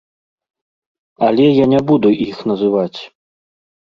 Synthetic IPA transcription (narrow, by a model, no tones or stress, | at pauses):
ɐlʲɛjanʲɛbud̪uʔixnɐzɨvat͡sʲ